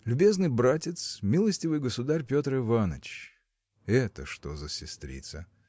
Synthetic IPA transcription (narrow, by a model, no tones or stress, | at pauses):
lʲʊbʲe̞znɨjbɾatʲɪt̪smʲilˠəsʲtʲɪvɨjɡəsʊd̪arʲpʲo̞t̪ɾɨvanə̰t͡ɕ | ɛt̪əʂt̪o̞zəsʲɪst̪ɾʲḭt̪sə